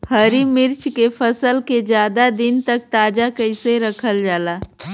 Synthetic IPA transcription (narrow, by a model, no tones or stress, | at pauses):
hɐɾimɪɾt͡ʃkefɐsəlked͡ʒjaːd̪ad̪ɪnt̪ɐk̚t̪aːd͡ʒakɐɪseɾɐkʰəld͡ʒaːlaː